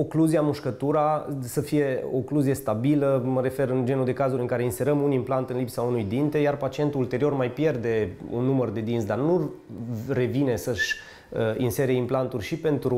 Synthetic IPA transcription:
okluziamuʃkət̪uɾasəfije̞o̰kluzie̞st̪abiləməɾe̞fe̞ɾɨnd͡ʒe̞nud̪e̞kazuɾɨŋkaɾe̞inse̞ɾəmunimplant̪ɨnlipsaunujd̪int̪e̞jarpat͡ʃie̞nt̪uult̪e̞ɾio̞rmajpje̞rd̪e̞ṵnːumərd̪e̞d̪insd̪arnu | re̞vinesəʃʲ | əinse̞ɾe̞implant̪urʲʃipe̞nt̪ɾu

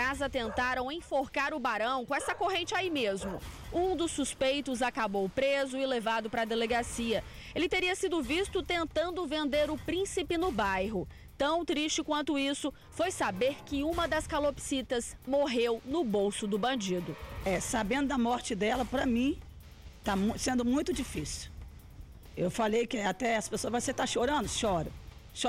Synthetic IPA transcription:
kazɐt̪ẽnt̪aɾɐ̃w̃ẽj̃foɾkaɾʊbaɾɐ̃w̃kõɛsɐkoɦẽnt͡ʃɪaimezmʊ | ũd̪ʊsːuspejt̪ʊzakabowpɾezʊɪlevad̪ʊpɾɐd̪eleɡasiɐ | elɪt̪eɾiɐsid̪ʊvist̪ʊt̪ẽnt̪ɐ̃nd̪ʊvẽnd̪eɾʊpɾĩsipɪnʊbajɦʊ | t̪ɐ̃w̃t̪ɾist͡ʃɪkwɐ̃nt̪ʊisʊ | fojsabeɾkɪũmɐd̪ɐskalopsit̪ɐzmoɦewnʊbowsʊd̪ʊbɐ̃d͡ʒid̪ʊɛsabẽnd̪ʊd̪ɐmɔɾt͡ʃɪd̪ɛlɐpɾɐmĩ | t̪amũsẽnd̪ʊmũj̃t̪ʊd͡ʒifisiw | ewfalejkɪat̪ɛɛsɐ̥pesoɐzvajset̪aʃoɾɐ̃nd̪ʊʃɔɾɐ̰̃ | ʃ

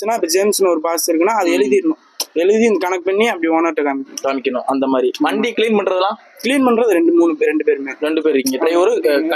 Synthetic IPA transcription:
t͡ʃːɯnːaːɪpːɐd͡ʒeːmsnːɐɔɾɯpaːsɪɾɯkːɯnːaːɐðɯɛɻɯðiɾɯnːʊ̃ | ɛɻɯðiɪnd̪ɐkɐnɐk̚ːpɐɳːiɐpːɐɽiʋaːnaːʈːɯkaːmɪkːɐnʊ̃kaːmɪkʲːɐnʊ̰̃ʔɐnd̪ɐmaːd̪ɾimɐɳɖikɪliːnpɐɳɖɾɐðɐlãː | kɪliːnpɐɳɖɾɐðɯɾɛɳɖɯmuːnːɯpeːɾɛɳɖɯpeːɾmeːɾɛɳɖɯpeːɾɪɾkːɯŋɡɐtːɐɪɔɾɯk

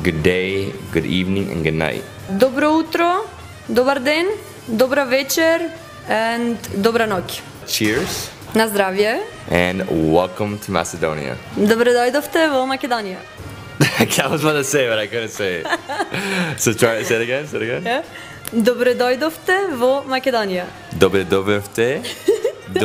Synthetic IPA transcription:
ɡʊdeɪɡʊɾivnɪ̃ŋɨ̰̃nɡʊdⁿna̰ɪt̚ | d̪ɔbɾɔut̪ɾɔ | d̪ɔbaɾd̪ɛn | d̪ɔbɾavɛt͡ʃɛɾ | ɛnd̪ɔbɾanɔkʲ | t͡ʃiɹz̥ | nazd̪ɾavjɛ | ʔɛ̃nwɛlˠkə̃mtʰəmæ̰sədõ̰ʊ̃nḭə̰d̪ɔbɾɛd̪ɔjd̪ɔft̪ɛvɔmakɛd̪ɔnija̰ | kʰawɔzmaəseɪbɔɾajkadnseɪ | soʊt̪ʰɹajsɛɾəɡɛ̃nsɛɾəɡɛ̃n | d̪ɔbɾɛd̪ɔjd̪ɔft̪ɛvɔmakɛd̪ɔnija | d̪ɔbɾɛd̪ɔvɛft̪ɛ | d

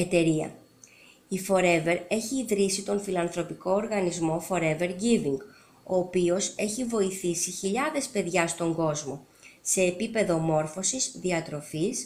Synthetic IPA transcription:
et̪e̞ɾiɐ̰ | ifo̞ɾe̞ve̞ɾe̞çiːðɾisit̪o̞nfilɐnθɾo̞piko̞ːɾɣɐnizmo̞fo̞ɾe̞ve̞ɾɡiviŋɡ | o̞ːpio̞se̞çivo̞iθisiçiʎɐðe̞spe̞ðʝɐst̪o̞ŋɡo̞zmo̞ | se̞ːpipe̞ðo̞mo̞ɾfo̞sisðiɐt̪ɾo̞fis

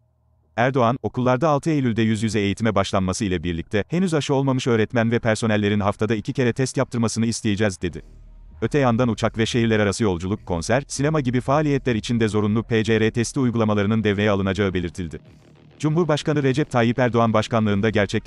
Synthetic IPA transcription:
æɾd̪o̞ano̞kulˠːaɾd̪aːlˠt̪ʰɯejlʲylʲd̪ɛjyzjyzɛːjit̪ʰimɛbaʃlˠanmasɯilʲɛbiɾlʲic̚t̪ʰɛhe̞nyzaʃɯo̞lˠmamɯʃø̞ːɾɛt̪mænvɛpʰæɾso̞nɛlʲːe̞ɾinɦaft̪ʰad̪aicʰice̞ɾɛt̪ʰɛst̪jap̚t̪ʰɯɾmasɯnɯist̪ʰejid͡ʒɛzd̪e̞d̪ɪ | øt̪ʰɛjand̪anut͡ʃʰakvɛʃe̞ɦiɾlʲɛɾaɾasɯjo̞lˠd͡ʒulˠukʰːo̞nsæɾsinemaɟibifaːlʲijɛt̪lʲæɾit͡ʃʰind̪ɛzo̞ɾunˠupʰeːd͡ʒeɾɛt̪ʰɛst̪ʰʲiujɡulˠamalˠaɾɯnɯnd̪ɛvɾe̞jɛalˠɯnad͡ʒaɯbe̞lʲiɾt̪ʰilʲd̪ɪ | d͡ʒumɦuɾbaʃkanɯɾe̞d͡ʒɛp̚t̪ʰaːjipæɾd̪o̞anbaʃkanlˠɯːnd̪aɟæɾt͡ʃʰɛ

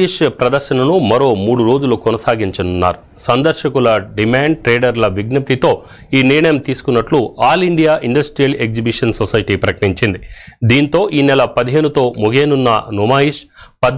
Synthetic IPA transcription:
iʂpɾɐd̪ɐɾʃɐnɐnumɐɾo̞ːmuːɽuɾo̞ːd͡ʒulukɔnɐsaːɡiɲt͡ʃɐnunːa̰ːɾu | sɐnd̪ɐɾʃɐkulɐɖimaːɳɖʈɾeːɖɐɾlɐʋiɡnɐp̚t̪it̪o̞ː | iːniɾɐɳɐjɐmt̪iːsu̥kunːɐʈluaːliɳɖijaːʔiɳɖɐsʈɾijɐle̞kzibiʂɐnsosɐjʈiːpɾɐkɐ̥ʈiɲt͡ʃind̪id̪iːnt̪o̞ːʔiːnɛlɐpɐd̪iɦe̞ːnut̪o̞ːmuɡeːnunːɐ̰numaːjiʂpɐd̪

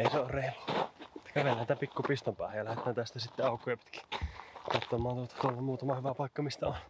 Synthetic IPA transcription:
eˑiseoːrreilut̪ːækæʋelːænit̪æpikːupist̪ompæ̰ːˑhejjɑlæhet̪ˑæːnt̪æst̪æsit̪ːeɑˑukːˑojɑpi̥t̪ki̥kɑt̪ːomˑɑːnt̪uot̪ɑ̥t̪uolːɑmuːt̪ɑmɑhyʋæpɑˑikːɑmist̪æon

